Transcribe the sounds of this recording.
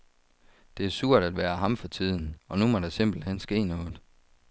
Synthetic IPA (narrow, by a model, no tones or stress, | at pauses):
d̥e̝æɐsuɐ̰d̥æd̥ʋæːɐɦɑ̈mfɒ̽t͡sʰið̞̰ˠn̩ɒ̽numɒ̽ɾ̥ɑ̈se̝m̰b̥l̩hen̰sɡ̥e̝̰ːnɔ̽ːð̩ˠ